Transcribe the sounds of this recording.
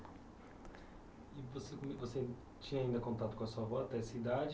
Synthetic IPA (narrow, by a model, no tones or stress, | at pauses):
ɪvosekõmivose | t͡ʃĩɲɐaĩnd̪ɐkõnt̪at̪ʊkõɐsuɐvɔat̪ɛsid̪ad͡ʒ